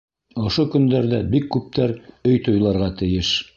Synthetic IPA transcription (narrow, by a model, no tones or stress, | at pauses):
ŏʃokɵ̆nd̪æɾðæbikːʉp̚t̪æɾɵjt̪ŏjlˠɑɾʁɑt̪ɘ̆jɘʃ